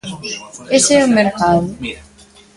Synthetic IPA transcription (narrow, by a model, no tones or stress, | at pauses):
esɛomeɾkaðʊ